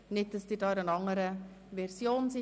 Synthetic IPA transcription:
nɪt̚dɑsd̥̪ɪdɑːɾənɑŋəɾə | vɛɾsjoːnsɪ

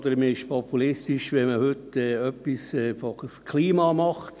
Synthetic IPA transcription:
d̪əɾməɪʃpʰɔpulɪst̪ɪʃʋɛməhʏt̪ɛːœpːisɛːfokʰliːmɑːmɑχt̪

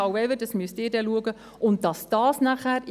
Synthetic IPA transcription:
ɑwɛvədɑsmyəstɪːɾdɛluəɡə | ʊnt̚d̥ɑsd̥ɑːsnæχæːɾ

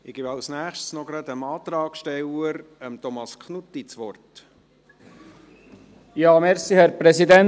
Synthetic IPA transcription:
ɪɡ̥ɪbɑlsnæːχʃtsnɔɡɾɑd̪əmɑːt̪ɾɑːɡʃtɛwəɾəmt̪ɔmɑskʰnut̪ːit͡sʋɔrt | jɑːmɛɾsihɛɾpɾɛsid̪ɛn

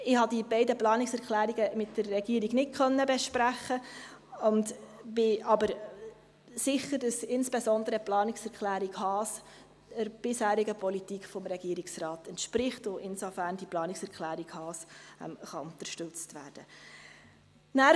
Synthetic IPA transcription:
ɪhɑdibɛɪdəplɑːnɪksɛɾklæːɾiɡəmɪtd̥ərːɛɡ̥iːɾiɡnɪt̚kʰχœnːəbɛʃpɾæχːəʊndb̥ɪɑbəɾ | sɪχːəɾd̥ɑsɪnsb̥ɛsɔndəɾəplɑːnɪksɛɾkχlæːɾikhɑːs | dəɾb̥ɪshæːɾiɡəpʰɔlitiːkfɔmɾɛɡ̥iːɾiksrɑːtɛntʃpɾɪχtʊʔɪnsofæɾnd̥iplɑːniksɛɾkʰlæːɾikhɑːsɛ̰mχɑʊntəɾʃtʉt͡stʋæ̰ːɾd̥ə | næː

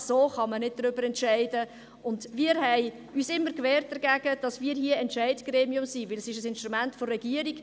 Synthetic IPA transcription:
soːχɑmənɪd̚d̥ɾʏbəɾɛntʃɛɪdə | ʔʊndviːəɾɦɛɪ | yːsɪmːəɾkʋɛːrt̚d̥əɾɡæɡ̥əd̥ɑsmiːəɾɦiəɛntʃɛɪdɡ̥ɾeːmiʊmsiʋɪlɛsɪʃəsɪnʃtɾumæntfɔrːɛɡ̥iəɾiɡ̥

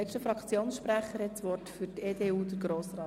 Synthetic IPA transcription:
ɛkʃtəfɾɑkt͡sjoːnsʃpɾæχəɾhɛtsʋɔrtfyɾteːdeːuːd̪əɾɡ̥ɾoːsɾɑː

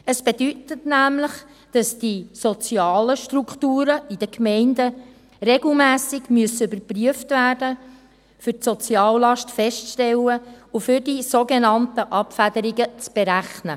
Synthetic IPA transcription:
əsb̥ed̥ytətnæmləχ | d̥ɑsd̥isɔt͡siɑːləʃtɾukχtuːɾəid̥əkmɛɪndə | reɡl̩mæːsɪɡmyəsːəybəɾpryəftvæːrdə | fʏrtsɔt͡siɑːllɑʃtfɛʃttɛləufʏɾdisoɡenɑntəʔɑpfædəɾiɡət͡sb̥eɾæχnə

